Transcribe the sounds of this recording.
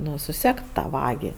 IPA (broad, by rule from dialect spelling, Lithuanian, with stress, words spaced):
ˈnʊ sʊˈsʲɛkt ˈtɑː ˈʋɑːɡʲɪ